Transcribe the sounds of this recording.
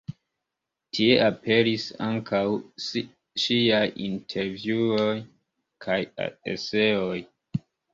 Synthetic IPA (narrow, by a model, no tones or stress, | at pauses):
tʰie̞ʔape̞ɾisa̰ŋkʰaws | ʃiajḭntʰe̞ɾvjuoj | kʰaja̰ḛse̞oj